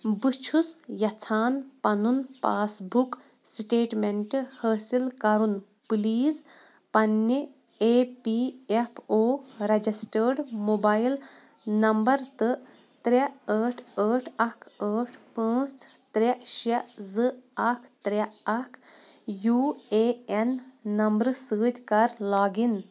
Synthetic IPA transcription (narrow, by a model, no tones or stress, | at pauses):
bɨt͡ʃʰusjɐt͡sʰaːnpɐnunpaːsbuk | sʈeːʈmeɳʈhəːsilkɐɾun | pliːz | pɐnːe | eːpiepʰoːɾɐd͡ʒisʈəɾɖmobaːjil | nɐmbɐɾt̪ɨ | t̪ɾaəːʈʰəʈʰɐkʰəːʈʰpə̃ːt͡s | t̪ɾaʃɐzɨakʰt̪ɾaɐkʰ | juːeenːɐmbɾsəːd̪ʲkɐɾlaːɡin